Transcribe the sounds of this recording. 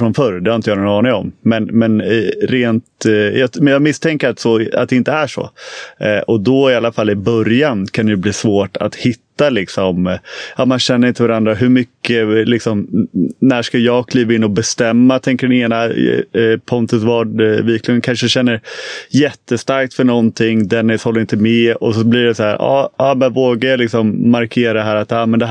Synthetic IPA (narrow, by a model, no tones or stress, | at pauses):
fɾɔnfœɾd̪ɛhaɾɪnt̪əjaːnɔnɑːnɪŋɔmmɛnmɛnɾeːnt̪jɑmɛjɑːɡmɪst̪ʰɛŋkəɾat̪sɔa̰t̪̚d̪ɛɪnt̪əæʂɔ̰ | ʔɔd̪ɔɪalːafalːɪbœɾjankʰand̪ɛjɵbliːsvoːʈa̰t̪hɪt̪ːalɪksɔmʔɑːmanɕɛnːəɾɪnt̪əvaɾand̪ɾaɦɵmʏkːəlɪksɔmnæːʂkajɑːɡkʰliːvaɪnːɔbɛst̪ɛmːat̪ʰɛŋkəɖɛneːna | pʰɔnt̪əsvɑːɖviːkʰlɪənkʰanʂəɕɛnːəɾjɛt̪ːəst̪aɾk̚t̪fœɳɔnt̪ʰɪŋd̪ɛnhɔlːɾɪnt̪əmɛɔsɔbliɖɛsahæːɾʔɑ̰ːɑːmɛnvoːɡaɾjɑlɪksɔmːaɾkʰeːɾadɦæːɾat̪ːɑːmɛnd̪ɛ